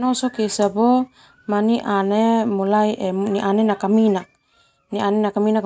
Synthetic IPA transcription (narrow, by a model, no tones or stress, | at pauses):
nosokisabo | maniʔanemulajʔemniʔanenakaminak | nianenakaminak